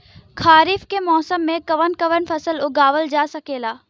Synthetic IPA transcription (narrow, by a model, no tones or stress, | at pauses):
kʰaːɾɪːfkemɔːsəmːẽkɐʋənkɐʋənfʰɐsəlʊɡaːʋəld͡ʒaːsɐkeːlaː